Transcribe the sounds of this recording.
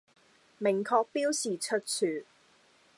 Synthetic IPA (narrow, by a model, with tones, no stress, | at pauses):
mɪ˨˩ŋkʰɔː˧k̚piː˥wsiː˨t͡ʃʰɵ˥t̚t͡sʰyː˨˩